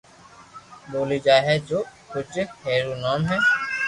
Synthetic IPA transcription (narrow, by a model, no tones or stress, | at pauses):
bolid͡ʒaːɦɛd͡ʒokʰut͡ʃekheɾunɔmɦɛ